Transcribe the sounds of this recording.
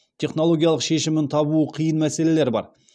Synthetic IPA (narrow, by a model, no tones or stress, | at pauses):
t̪ʲʰe̞χno̞lˠo̞ɡʲijalˠəqʃe̞ʃɪmɪnt̪ʰɑbuəqʰijənmæse̞le̞le̞ɾbɑ̰ɾ